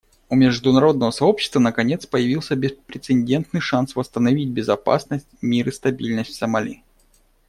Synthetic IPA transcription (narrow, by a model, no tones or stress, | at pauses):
ʊmʲɪʐd̪ʊnɐɾo̞d̪nəvəsɐo̞pɕɪ̥st̪vənəkɐnʲe̞t̪spəjɪvʲilˠsʲəbʲɪspɾʲɪt̪sɨnʲdʲe̞nt̪nɨjʂansvəst̪ənɐvʲit̚ʲbʲɪzɐpa̰snəsʲtʲmʲiɾɨst̪ɐbʲilʲnəsʲtʲfʲsəmɐlʲḭ